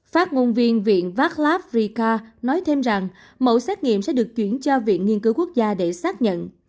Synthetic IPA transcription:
faː˦˥t̚ŋo˧nvi˧ənvḭ˧˨ənvaː˦˥t̚laː˦˥p̚ri˧kaː˧nɔ˨˦jt̪ʰe˧mza˨˩ŋ | mo̰˧˩sɛː˦˥t̚ŋḭ˧˨əmsɛ̰˧˥ɗɨ˨˩ək̚t͡ɕwi˧˩ənt͡ɕɔ˧vḭ˧˨ənŋi˧ənkɨ˨˦wku˦˥ək̚zaː˧ɗe˧˩saː˦˥t̚ɲə̰˧˨n

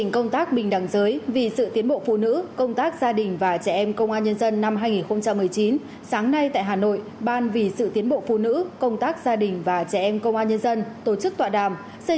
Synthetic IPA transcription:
ŋkə˧wŋ͡mt̪aː˦˥k̚ɓï˨˩ŋ̟ɗa˨˩ŋzəː˨˦jvḭ˨˩sɨ̰˧˨t̪i˨˦ənɓo̰˧˨fṵ˧˨nɨ̰˧˥kə˧wŋ͡mt̪aː˦˥k̚z̥aː˧ɗï˨˩ŋ̟vaː˨˩t͡ɕɛ˧˩ʔɛ˧mkə˧wŋ͡mʔaː˧nɲə˧nzə˧nːa˧mɦaː˧jŋi˨˩nxə˧wŋ͡mt͡ɕa˧mːɨ˨˩əjt͡ɕi˨˦n | saː˨˦ŋna˧jt̪a̰ː˧˨jɦaː˨˩no̰˧˨jɓaː˧nvi˨˩sɨ̰˧˨t̪i˨˦ənɓo̰˧˨fṵ˧˨nɨ̰˧˥kə˧wŋ͡mt̪aː˦˥k̚z̥aː˧ɗï˨˩ŋ̟vaː˨˩t͡ɕɛ˧˩ʔɛ˧mkə˧wŋ͡mʔaː˧nɲə˧nzə˧nt̪o˨˩t͡ɕɨ˦˥k̚t̪wa̰ː˧˨ɗa̰ː˧˨˩m | sə˧

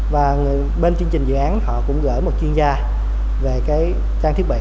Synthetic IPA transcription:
vaː˨˩˨ | ɓe˧nt͡ɕɨ˧əŋt͡ɕï˨˩ŋ̟zɨ̰˧˨ʔaː˨˦nhɔ̰˧˨kʊ̰˧˥ŋ͡mɣə̰ː˧˩jmo˨˩t̚t͡ɕwənzaː˧ | ve˨˩kaː˨˦j | t͡ɕaː˧ŋt̪ʰi˦˥əɓḭ˧˨

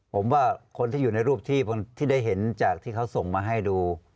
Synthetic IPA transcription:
pʰo˩˦mwaː˥˩kʰo˧nt̪ʰiː˥˨uː˨˩na˧jɾuː˥˩p̚t̪ʰiː˥˩pʰo˧nt̪ʰiː˥˩da˥˩jɦe˩˦nt͡ɕaː˨˩k̚t̪ʰiː˥˩a˦˥wso˨˩ŋmaː˧ɦa˥˩jduː˧

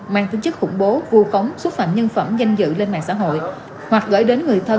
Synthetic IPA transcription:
ma̰ː˧ŋt̪i˨˦ɲt͡ɕɨ˦˥k̚xʊ̰˧˩ŋ͡mɓo˨˦vu˧xə˨˦wŋ͡mswə˦˥t̚fə̰˧˨mɲə˧nfə˧˩mza˧jŋ̟zɨ̰˧˨le˧nma̰ː˧˨ŋsa̰ː˧˥ɦo̰˧˨j | hwa˨˩k̚ɣə̰ː˧˩jɗe˨˦nŋɨ˨˩əjt̪ʰə˧

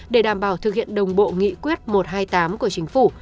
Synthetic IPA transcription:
ɗe˧˩ɗaː˧˩mɓaː˧˩wt̪ʰɨ˨˩k̚hḭ˧˨ənɗə˨˩wŋ͡mɓo̰˧˨ŋḭ˧˨kwi˦˥ət̚mo˨˩t̚haː˧jt̪aː˨˦mku˧˩ət͡ɕï˨˦ŋ̟fu˧˩

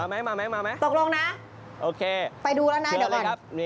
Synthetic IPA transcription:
aː˧ma˦˥jmaː˧ma˦˥maː˧ma˦˥jt̪o˨˩k̚lo˧ŋna˦˥ | ʔoː˧kʰeː˧pa˧jduː˧lɛ˦˥wnaː˦˥˩di˨˩ka˨˩a˦˥p̚mi˧

